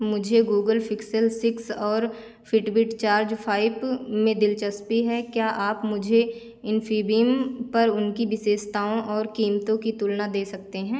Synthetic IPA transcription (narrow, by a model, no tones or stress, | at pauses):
mʊd͡ʒʱeɡuːɡəlpʰɪksəlsɪksɔːɾ | fʰɪʈbɪʈt͡ʃaːɾd͡ʒpʰaːɪbmẽd̪ɪlt͡ʃəspiɦɛkjaːʔaːpmʊd͡ʒʱe | ɪnfʰiːbimpɐɾʊnkibɪseːʃt̪aːõʔɔːɾkiːmt̪õkit̪ulnad̪eːsɐk̚t̪eɦɛ̃ː